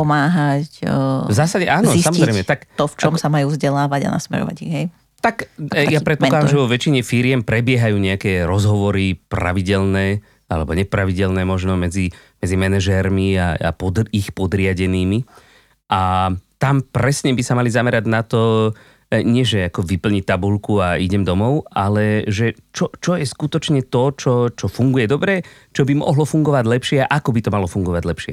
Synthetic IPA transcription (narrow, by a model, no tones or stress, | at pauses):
pɔmaːɦacvzaːsaɟɛʔaːnzɔisamɔɔzɾɛɪjmɛt̪akt̪ɔft͡ʃɔmsamajuːvzɟɛlaːʋaɟa̰na̰smɛ̰ɾɔ̰ʋa̰ɟiɣɦɛj | t̪akjapɾɛt̪̚pɔklad̪amʒɛʋɔʋɛt͡ʃiɲɛfiɾɪɛmpɾɛbɪɛɦajuːɲɛakɛːɾɔzɦɔʋɔɾipɾa̰ʋiɟɛlnɛː | alɛbɔɲɛpɾaʋiɟɛlnɛːmɔʒnɔmɛd͡zi | mɛd͡zimɛnɛʒɛɾmiaa̰pɔd̪ixpɔd̪ɾɪaɟɛniːmi | ʔat̪ampɾɛsɲɛbisamalizamɛɾaɟnat̪ɔ | ɲɪɛʒɛakɔʋipl̩ɲit̪abulkuaiɟɛmd̪ɔmɔʊalɛʒɛt͡ʃɔt͡ʃɔjɛskut̪ɔt͡ʃɲɛt̪ɔt͡ʃɔt͡ʃɔfuŋɡujɛd̪ɔbɾɛ | t͡ʃɔbimɔ̰ɦlɔfuŋɡɔʋaɟlɛpʃɪɛaʔakɔbit̪ɔmalɔfuŋɡɔʋaɟlɛpʃɛ